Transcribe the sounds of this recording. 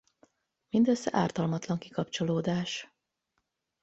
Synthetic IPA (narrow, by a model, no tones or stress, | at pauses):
mind̪øsːɛ̰ʔaːrt̪ɒlmɒt̪lɒŋkikɒpt͡ʃo̞loːd̪aːʃ